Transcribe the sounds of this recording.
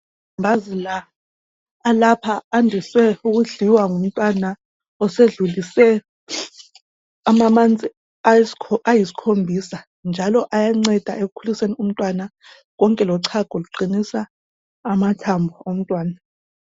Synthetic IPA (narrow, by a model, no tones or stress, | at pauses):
mbʱazilaː | lapʰaːndʱiswɛuk̬uɮiwaŋum̩tʼwana | ɔseɮulisɛ | amamand͡zʱʼi | ajisi̥kʰombʱisa | nd͡ʒʱalɔʔajaŋ͡ǀɛd̥ʱa̰ʔek̬ukʰulisenium̩tʼwana | ɣ̬ɔŋkʼɛlɔǀʰaɡ̥ʱɔluǃinisaː | matʰambʱuom̩tʼwaːna